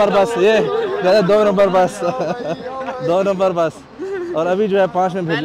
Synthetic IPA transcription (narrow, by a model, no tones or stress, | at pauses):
əɾbɐsjed͡ʒaːd̪ad̪oːnɐ̃mbəɾbɐs | d̪oːnɐ̃mbəɾbɐs | ɔːɾɐbʱid͡ʒoːɛpãːt͡ʃmẽbʱed͡ʒl